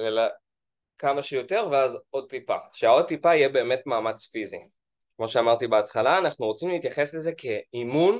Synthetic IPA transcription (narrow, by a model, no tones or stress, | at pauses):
lela | kamaʃejo̞te̞ʁveazo̞d̚t̪ipa̰ʃeao̞d̚t̪ipaijɛbe̞ːme̞tmaːmat͡sfizi | kmo̞ʃeamaʁt̪ibeatχalaːnaχnuʁo̞t͡simleit̪jaχe̞sleze̞kʰe̞imun